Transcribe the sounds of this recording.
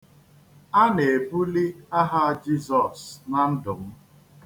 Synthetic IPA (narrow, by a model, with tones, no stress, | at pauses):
a˦ne˨bu˦li˦a˦ɦa˦d͡ʒi˦zɔ˨sna˨n̩˦dʊ˨m̩˦